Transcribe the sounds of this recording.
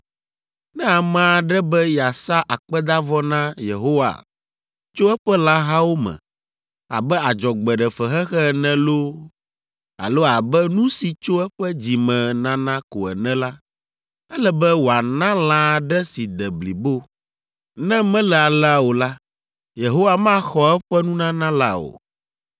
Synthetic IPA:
nɛ̃˦a˨mã˨˦˨ɖɛ˦bɛ˦ja˨sa˦ʔa˨k͡pɛ˦d̪a˦vɔ˦nã˦je˨ɦo˦wa̰˨ | t͡ʃo˦ɛ˦ɸɛ˦la˦ɦa˦wo˦mɛ̰̃˨ | a̰˨bɛ˦a˨d͡ʒɔ˨ɡ͡bɛ˨ɖɛ˨fɛ˨xɛ˦xɛ˦ɛ˨nɛ̃˦lo˦ | a̰˨lo˦a˨bɛ˦nũ˦si˨t͡ʃo˦ɛ˦ɸɛ˦d͡ʑi˨mɛ̃˨nã˦nã˦ko˨ɛ̰˨nɛ̃˦la˦ | ɛ˦lɛ˦bɛ˦wo˨a˨nã˦la˦ɖɛ˦si˨d̪ɛ˨bli˨bo˦ | nɛ̃˦mɛ̃˦lɛ˨a˨lɛ˦a˦wo˨la˦ | je˨ɦo˦wa˨mã˦xɔ˦ɛ˦ɸɛ˦nũ˦nã˦nã˦la̰˦o̰˨

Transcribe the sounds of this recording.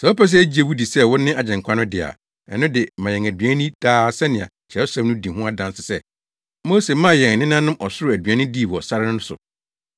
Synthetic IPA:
sɛ˨ɔ˦pɛ˦s̬ɛ˦æ˦d͡ʑi˨˦e˨wu˦di˨sɛ˦wʊ̃˦nɪ̃˦a˨d͡ʑɛ̃˨ŋ̩˨kʷʰa˦nʊ̃˦dɪ˨a̰˨ | ɛ˨nʊ̃˦dɪ˨mã˨jɛ̃˨ŋæ˨dɥæ̃˦nĩ˦d̥aː˦˨sɛ˦nɪ̃˨ã̰˨t͡ɕʰɛ˨˦ʊ˦sa˦nʊ̃˦di˨hʊ̃˦a˦dã˨n˦sɪ˨sɛ˦ | moː˦se˨˦mã˦˨jɛ̃˨ŋ˨nɪ̃˦n˦ã˦nʊ̃˦mʔɔ˨sʊ˦ɾʊ˨æ˨dɥã˦nʊ̃˦di˦˨wɔ˨sa˦ɾɪ˦nʊ̃˦nʊ̃˦sʊ̰˨

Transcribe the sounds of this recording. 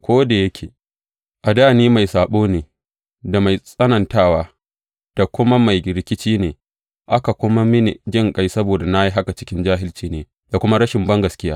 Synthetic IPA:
kʷoː˦da˨jɐ˦kʲʰeː˨ | ʔa˨daː˦˨niː˦ma˨jsaː˨ɓoː˦neː˨ | da˨ma˨jsʼɐ˦nɐ˨ntaː˦˨waː˦ | d̥a˨kʷʊ˦ma˦ma˨jɾɪ˦kʲɪ˦t͡ʃiː˦neː˨ | ʔa˦ka˨kʷʊ˦ma˦mɪ˦ni˨d͡ʒɪ˦ŋkʼa˦jsɐ˦boː˨da˨na˦ji˦ɦa˦ka˨t͡ʃɪ̥˦kʲɪ˦nd͡ʒaː˦ɦɪ˦lt͡ʃiː˦neː˨ | da˨kʷʊ˦ma˦ɾɐ˦ʃɪ˨mbɐ˦ŋɡɐ˨skʲɪ˦jaː˦

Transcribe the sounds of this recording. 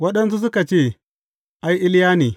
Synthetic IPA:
wɐ˦ɗɐ˦ns̬u˦s̬u˦ka˨t͡ʃe˦˨ | ʔa˨˦ji˦ʔɪ˦ljaː˦ni˨

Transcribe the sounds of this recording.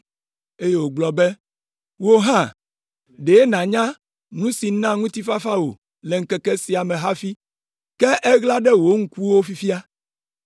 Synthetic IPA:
e˦je˦wo˨ɡ͡blɔ˨bɛ˦ | wo˦ɦã˦˨ | ɖe˨e˦nã˨ɲã˦ | nũ˦si˨˦nã˦ŋũ˦t̪i˦fa˦fa˦wo̰˨ | le˨ŋ̩˨˦kɛ˨kɛ˦si˨a˨mẽ˨ɦa˦fi˦ | kɛ˦ʔɛ˦ɣla˦ɖɛ˦wo˦ŋ̩˦ku˦wo˦fi˦fi˦a˦

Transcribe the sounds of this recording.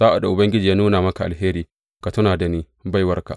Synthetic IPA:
sa˦ʔa˨da˨ʔʊ˨bɐ˦ŋɡʲɪ˦d͡ʒiː˨ja˦nuː˦naː˨mɐ˦ka˨ʔa˨ɦeː˦ɾiː˨ | ka˨tʊ˦naː˨da˨niː˦ | ba˦˨jwɐ˦rka̰˨ʔ

